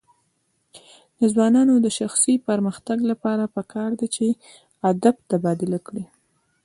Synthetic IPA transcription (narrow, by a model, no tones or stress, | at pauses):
d̪əzwɑnɑnod̪əʃaxsipəɾməxt̪aɡlapɑɾapəkɑɾd̪at͡ʃe | ad̪ab̚t̪abɑd̪ɪlakɽi